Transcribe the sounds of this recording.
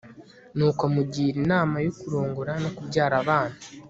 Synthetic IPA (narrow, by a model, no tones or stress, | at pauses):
nuːkamuɟiːɾinaːmajokuɾoːŋɡoɾano̞kubɟaːɾaβaːnha